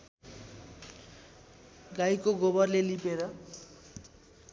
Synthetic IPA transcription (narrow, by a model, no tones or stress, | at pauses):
ɡajkoɡobʌrlelipeɾʌ